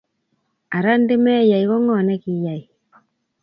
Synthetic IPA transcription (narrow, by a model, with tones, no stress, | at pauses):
a˨ɾa˦n˦de˦mɛ˦˨ja˨i˨βɔ˦ŋɔ˦˨nɛ˦ki˨ja˨i˨